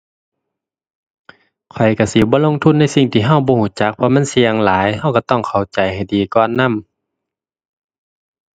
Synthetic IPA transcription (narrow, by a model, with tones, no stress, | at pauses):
kʰɔ˨˩jka˧˩si˧˦bɔː˧˦lo˧˥˨ŋt̪ʰu˧˥˨nːa˧˥˨si˧˩ŋt̪ʰiː˨˩ɦa˧˥˨wbɔː˧huː˧˩˨t͡ɕa˧˥k̚pʰɔ˧ma˧˥˨nsi˧əŋlaː˨˦jha˧˩˨wka˧˩t̪ɔ˧˩ŋkʰa˨˩wt͡ɕa˨˩jha˨˩jdiː˨˩kɔː˧˨nːa˧˥˨m